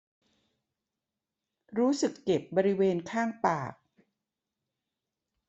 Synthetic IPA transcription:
ɾuː˦˥sɯ˨˩kːe˨˩p̚bɔː˧ɾi˦˥weː˧nkʰaː˥˩ŋpaː˨˩k̚

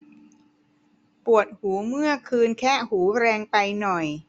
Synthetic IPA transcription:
pu˨˩ət̪̚huː˩˦mɯ˥˩əkʰɯː˧nkʰɛː˥˩huː˩˦ɾɛː˧ŋpa˧jnɔ˨˩j

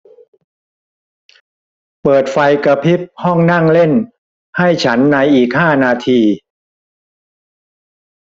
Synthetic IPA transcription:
pɤː˨˩t̪̚fa˧jka˧pʰi˦˥p̚hɔ˥˩ŋna˥˩ŋle˥˩n | ha˥˩jt͡ɕʰa˦˥nːa˧jʔiː˨˩k̚haː˥˩naː˧t̪ʰiː˧

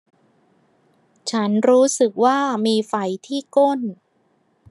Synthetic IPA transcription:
t͡ɕʰa˦˥nɾuː˦˥sɯ˨˩k̚waː˥˩miː˧fa˧˩jt̪ʰiː˥˩ko˥˩n

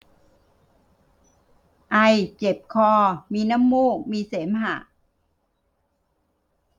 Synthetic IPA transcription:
ʔa˧jt͡ɕe˨˩p̚kʰɔː˧˩miː˧naː˥˨mːuː˥˩k̚miː˧seː˩˦mha˨˩ʔ

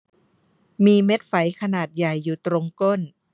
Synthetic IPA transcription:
miː˧me˦˥t̪̚fa˩˦jkʰa˧naː˨˩t̪̚ja˨˩jːuː˨˩t̪ɾo˧ŋko˥˩n

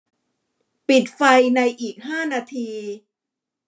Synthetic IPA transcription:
pi˨˩t̪̚fa˧jna˧jʔiː˨˩k̚ɦaː˥˩naː˧t̪ʰiː˧

